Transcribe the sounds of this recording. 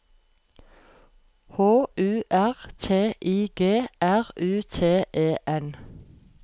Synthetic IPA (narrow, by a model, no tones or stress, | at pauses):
hoːʉːʔæʁt̪ʰeːʔiːɡ̥eːʔæʁʉːt̪ʰeːʔeːʔɛn